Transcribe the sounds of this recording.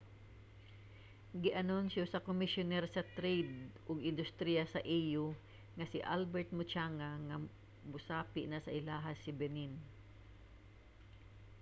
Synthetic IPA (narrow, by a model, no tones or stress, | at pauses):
ɡɪʔɐnonsjosɐkomɪsjʊnɛɾsɐt̪ɾejd̪̚ʔʊɡɪnd̪ʊst̪ɾijasaʔijo | ŋasɪʔalbɛɹt̪̚mʊt͡ʃaŋaŋa | mʊsaːpɪʔnasaʔɪlaːɦasɪbɛnin